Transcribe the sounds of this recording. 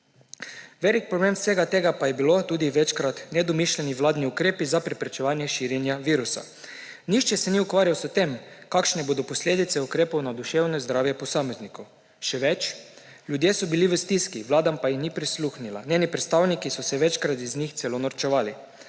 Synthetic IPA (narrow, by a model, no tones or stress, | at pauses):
ʋɛlik̚pɾobleːmseːɡat̪eːɡapajɛbilot̪uːd̪iʋɛt͡ʃkɾat̪nɛd̪ɔmiʃlʲɛniʋlaːd̪niukɾeːpizapɾɛpɾɛt͡ʃɛʋaːnjɛʃiːɾjɛnjaʋiːɾusa̰ | niʃt͡ʃɛsɛniukʋaːɾjawsət̪emkakʃnɛbod̪ɔpɔslʲeːd̪it̪sɛukɾeːpownad̪uʃeːwnɔzd̪ɾaːwjɛpɔsaːmeznikow | ʃɛʋɛt͡ʃ | lʲjud̪jesɔbiliʋəst̪iskiʋlaːd̪ampajixnipɾisluxnila̰nʲeːnipɾɛt̪st̪aːwnikisɔsɛʋɛt͡ʃkɾat̪iznixt̪sɛlonɔɾt͡ʃɛʋaːli